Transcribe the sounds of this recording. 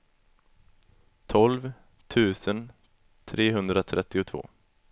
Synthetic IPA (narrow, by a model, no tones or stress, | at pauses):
t̪ʰɔlv | t̪ʰʉ̟ːsən | t̪ʰɾeːɦɵnd̪ɾat̪ʰɾʔɛt̪ːɪʊt̪ʰvo̰ː